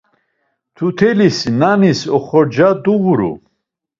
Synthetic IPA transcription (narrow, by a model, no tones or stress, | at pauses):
t̪ʰut̪ʰɛlisnanisɔχɔɾd͡ʒad̪uɣuɾṵ